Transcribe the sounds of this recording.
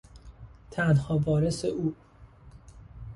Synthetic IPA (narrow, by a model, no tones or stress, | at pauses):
t̪ʰænhɒːbɒːɾeseʔuː